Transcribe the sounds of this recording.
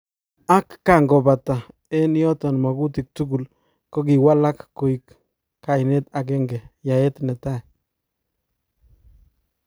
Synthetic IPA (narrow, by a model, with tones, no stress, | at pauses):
a˦kːa˨ŋɡɔ˨ba˨ta˨ | ɛ˦n˦jɔ˦tɔ˨nma˨ɡu˦ti˨k̚tu˦ɡu˨l | ko˦ɡi˨wa˦la˦kːo˨i˨kː | a˨ne˦ta˨k̬ɛ˦ŋɡɛ˨ja˨ɛ˦tnɛ˨ta˦˨